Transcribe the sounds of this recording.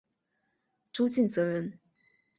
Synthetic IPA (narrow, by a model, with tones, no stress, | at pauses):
ʈ͡ʂu˥t͡ɕi˥˩nt͡sɤ˧˥ɻə˧˥n